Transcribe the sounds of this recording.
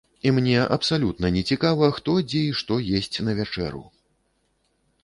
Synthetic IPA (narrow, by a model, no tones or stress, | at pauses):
imnʲɛʔɐ̰psalʲut̪nɐnʲɛt͡sʲikavɐxt̪ɔd͡zʲɛiʂt̪ɔjesʲt͡sʲnɐvʲat͡ʂɛ̰ɾṵ